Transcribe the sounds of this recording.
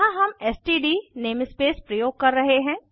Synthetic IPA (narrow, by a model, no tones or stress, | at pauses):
ɦãɦɐmɛsʈiːɖiːneːmɪspeːspɾɐjoːɡ̚kɐɾːɐɦeɦɛ̃ː